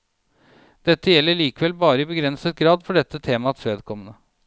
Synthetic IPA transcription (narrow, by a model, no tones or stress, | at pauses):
d̪̥ɛt̪ːəjɛlːəɭiːkəʋɛlbɑːɾəɪbəɡɾɛnsət̪̚ɡɾɑːd̪fɔɖɛt̪ːət̪ʰeːmɑt̪ʰeːd̪kʰɔmənə